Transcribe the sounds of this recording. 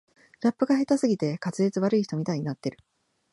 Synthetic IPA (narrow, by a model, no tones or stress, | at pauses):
ɾapːɯ̟ɡaɦe̞t̪asɨɡʲit̪e̞kat͡sɨɾʲet͡sɨβ̞aɾɯiçi̥t̪o̞mʲit̪aiɲinat̪ːe̞ɾɯ̟̥